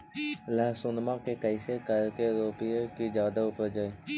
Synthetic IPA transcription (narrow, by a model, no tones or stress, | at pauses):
lɛːsʊnmãkekəisekəlkeɾoːpiekid͡ʒjaːd̪aʊpəɾd͡ʒaːeː